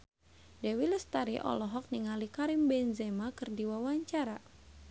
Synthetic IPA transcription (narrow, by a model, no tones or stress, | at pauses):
dɛwiləst̪aɾiʔɔ̰lɔɦɔk̚niŋalikaɾimbɛnzɛmakɨrdiwawaɲt͡ʃaɾa